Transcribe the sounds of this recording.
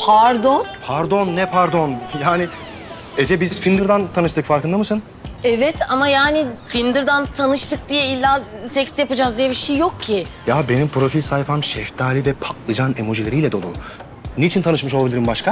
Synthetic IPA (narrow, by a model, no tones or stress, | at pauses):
pʰaɾd̪onpʰaɾd̪o̞nːɛpʰaɾd̪o̞njaːni | ed͡ʒɛbizzfind̪ɯɾd̪ant̪ʰanɯʃt̪ʰɯkfaɾkʰɯnd̪amɯsɯn | ɛvɛt̪ʰamajaːnɪfind̪ɯɾd̪ant̪ʰanɯʃt̪ʰɯk̚d̪ijɛilʲːaːsɛcsjapad͡ʒaːzd̪ijɛbiʃejːok̚cʰːɪjabe̞nimpɾo̞filʲsajpʰamʃɛft̪ʰaːlʲid̪ɛpʰaklˠɯd͡ʒanemoʒilʲeɾijlʲɛd̪o̞lˠṵ | net͡ʃʰint̪ʰanɯʃmɯʃoabilʲiɾimbaʃkʰa